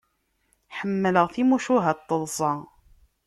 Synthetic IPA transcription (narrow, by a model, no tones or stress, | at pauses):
ħəmːələʁθimuʃuɦæt̪ˤːəlˤsˤɑ